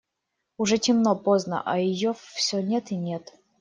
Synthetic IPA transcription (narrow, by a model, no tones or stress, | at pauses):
ʊʐɛtʲɪmnopoznə̰ʔɐ̰jɪjofsʲonʲet̪ɪnʲet̪